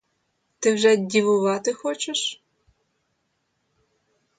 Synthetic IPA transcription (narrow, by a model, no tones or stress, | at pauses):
t̪ɪwʒɛdʲiʋʊʋɑt̪ɪxɔt͡ʃeʃ